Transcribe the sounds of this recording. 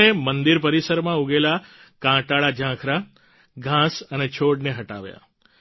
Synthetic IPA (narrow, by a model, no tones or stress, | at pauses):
emənd̪iɾpəɾisəɾmãuɡelakãʈaɭad͡ʒʱãkʰɾa | ɡʱãsənet͡ʃʰoɽneɦəʈa̰ʋja̰